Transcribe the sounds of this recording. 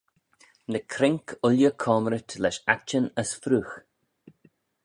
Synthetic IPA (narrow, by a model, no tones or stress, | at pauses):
nəkʰɾɪŋkʰʊljəkʰɔːməɾət̪ʰlɛʃat͡ʃənəsfɾuːx